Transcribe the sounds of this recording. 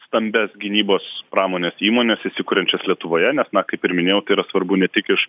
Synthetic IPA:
st̪ɐmʲbʲɛsɡʲɪnʲiːboːspɾɑːmoːnʲeːsiːmoːnʲesɪʃsʲɪkuːɾʲɛnʲt͡ʃʲɛslʲiɛt̪ʊʋoːjɛnʲɛsnɐkɐɪpɪɾmʲɪnʲeːjɛʊt̪ɐɪiːɾɐsʋɐɾbʊnʲɛt̪ʲɪkɪʃ

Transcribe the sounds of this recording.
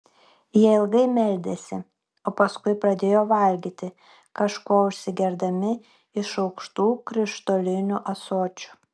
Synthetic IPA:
jiɛɪlˠɡɐɪmʲɛlʲd̪ʲesʲɪ | oːpɐskʊɪpɾɐd̪ʲeːjoːʋɐlʲɡʲiːt̪ʲɪ | kɐʃkoːʊʃʲsʲɪɡʲɛɾd̪ɐmʲɪ | ɪʃɒʊkʃt̪uːkɾʲɪʃt̪oːlʲɪnʲuʔɐsoːt͡ʃʲʊ̥

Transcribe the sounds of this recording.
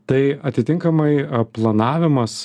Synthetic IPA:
t̪ɐɪɐt̪ʲɪt̪ʲɪŋkɐmɐɪplˠɐnɑːʋʲɪmɐs

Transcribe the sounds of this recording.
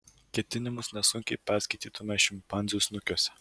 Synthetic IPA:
kʲɛt̪ʲɪnʲɪmʊsnʲɛsʊŋʲkʲɛɪpʲæɾʲsʲkʲɐɪt̪ʲiːt̪ʊmʲɛʃʲɪmpɐnʲzʲusnʊkʲoɔsʲɛ̥

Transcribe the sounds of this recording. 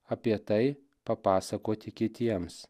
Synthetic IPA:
ɐpʲiɛt̪ɐɪ | pɐpɑːsɐkoːt̪ʲɪkʲɪt̪ʲiɛms

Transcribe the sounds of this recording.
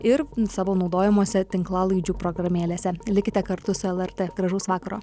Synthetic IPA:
ɪɾsɑːʋoːnɒʊd̪oːjɛmoːsʲɛt̪ʲɪŋklˠɑːlˠɐɪd͡ʒʲuːpɾɔɡɾɐmʲeːlʲeːsʲɛlʲɪkʲɪt̪ʲɛkɐɾt̪ʊsʊɛlˠɛɾʲt̪ʲeːɡɾɐʒɐʊsʋɑːkkɐɾoː

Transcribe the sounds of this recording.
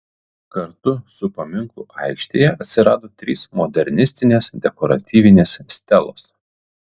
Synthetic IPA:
kɐɾt̪ʊsʊpɐmʲɪŋkʊʔɑˑɪkʃʲt̪ʲeːjɛʔɐt̪ʲsʲɪɾɑːd̪oːt̪ʲɾʲiːsmɔd̪ʲɛɾʲnʲɪsʲt̪ʲɪnʲeːsd̪ʲɛkɔɾɐ̰t̪ʲiːʋʲɪnʲeːssʲt̪ʲɛlˠo̰ːs

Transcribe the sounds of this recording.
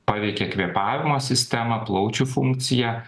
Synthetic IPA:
pɑːʋʲɛɪkʲɛkʋʲiɛpɑːʋʲɪmoːsʲɪsʲt̪ʲɛmɐplˠɒʊt͡ʃʲuːfʊŋk̚t̪sʲɪjæː

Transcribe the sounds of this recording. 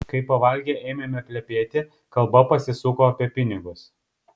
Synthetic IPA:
kɐɪpɐʋɐlʲɡʲeːʔɛːɪmʲɛmʲɛpʲlʲɛpʲeːt̪ʲɪ | kɐlˠbɐpɐsʲɪsʊkoːɐpʲiɛpʲɪnʲɪɡʊs

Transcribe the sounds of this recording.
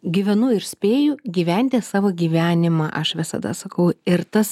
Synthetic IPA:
ɡʲiːʋʲɛnʊɪɾsʲpʲeːjʊɡʲiːʋʲænʲt̪ʲeːsɑːʋoːɡʲiːʋʲæːnʲɪmɑːʔɐʃʋʲɪsɐ̰d̪ɐ̰sɐkɐʊɪɾt̪ɐs

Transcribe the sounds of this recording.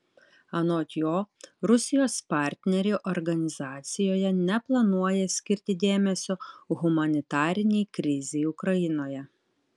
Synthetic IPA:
ɐnoːt̪ʲjoːɾʊsʲɪjoːspɑˑɾʲt̪ʲnʲɛɾʲɪʔɔɾɡɐnʲɪzɑːt̪sʲɪjoːjɛnʲɛplˠɐnuɔjɛsʲkʲɪɾʲt̪ʲɪd̪ʲeːmʲɛsʲoɣʊmɐnʲɪt̪ɑːɾʲɪnʲɛɪkɾʲɪzʲɛɪʊkɾɐjɪnoːjɛ

